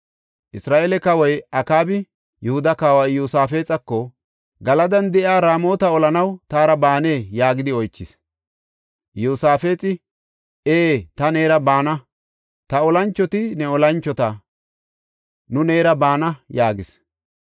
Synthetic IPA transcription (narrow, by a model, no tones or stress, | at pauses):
ʔɪsɾaːʔeːlɛkɐwɐjɐkaːbɪ | jɛhʊd̪ɐkaːwɐjuːsaːfe̞ːt͡sʼɐkːɔ | ɡɐlɐd̪ɐnd̪ɛʔɪaːɾaːmo̞ːt̪ɐɔlɐnɐwt̪aːɾɐbaːne̞ːjaːɡɪd̪ɪɔjt͡ʃːɪs | juːsaːfe̞ːt͡sʼɪ | eːt̪ɐne̞ːɾɐbaːnɐ | t̪ɐɔlɐnt͡ʃːɔt̪ɪnɛɔlɐnt͡ʃːɔt̪ɐ | nʊne̞ːɾɐbaːnɐjaːɡɪs